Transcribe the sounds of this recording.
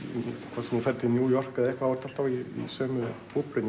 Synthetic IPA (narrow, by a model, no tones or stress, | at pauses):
kʰvaːsɛmufɛɾt̪ʰɪnjuːjɔr̥kaðɛhkvaaɾ̥t̪ʰal̥t̪aviḭsœːmʏ | upɾʏ